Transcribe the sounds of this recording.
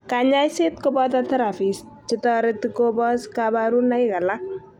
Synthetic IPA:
kaɲajset̚kobɔtatɐɾafis | t͡ʃɪtɔɾetɪkobɔskabaɾunajkala

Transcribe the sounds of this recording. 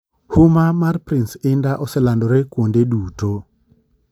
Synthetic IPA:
hʊmamarpɾinsɪndaʔɔsɛlandɔɾekwondeduːto

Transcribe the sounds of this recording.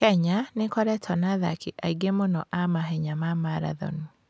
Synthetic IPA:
kɛɲanekɔɾɛtʰɔnaða̰kiʔaiɡemonɔʔamaɦɛɲamamaɾa̰ðɔ̰ni

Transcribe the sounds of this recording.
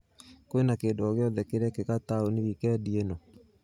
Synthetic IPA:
koenakeːdoɔɣeɔðɛkeɾɛkekataoniɾikɛdienɔ

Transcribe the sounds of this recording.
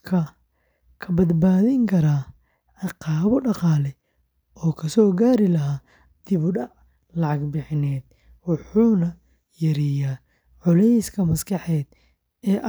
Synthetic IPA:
kʰɐ | kʰɐbɐd̪baːðɪŋkʰɐɾaː | ʕɑqɑːβɔɖɑqɑːlɛ | ɔːkʰɐsɔːɡaːɾɪlɐɦaː | d̪̥ɪβʊɖɐʕ | lɑʕɑɡbɪħɪnɛːd̪ | wɑħuːnɐ | jɐɾijaː | ʕʊlɛjskʰɐmɐskʰɑħɛːd̪̥ | ɛːʔ

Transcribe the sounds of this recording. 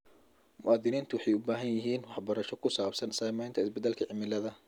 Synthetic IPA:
mʊʔaːd̪ɪniːnt̪ʰʊwɑħɑjʊbaːɦɐnjɐɦiːnwɑħbɐɾɐʃɔkʰʊsaːbsɐnsɐːmɛjnt̪ʰɐɪsbɛd̪ːɛlkʰɐʕɪmɪlɐðɐ

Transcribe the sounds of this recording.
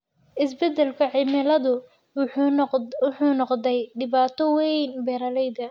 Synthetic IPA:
ʔɪsbɛd̪ɛlkʰɐʕɪmɪlɐðʊ | wʊħuːnɔqd̪ɛjɖɪβaːt̪ʰɔwɛjnbɛːɾɐlɛjd̪ɐ

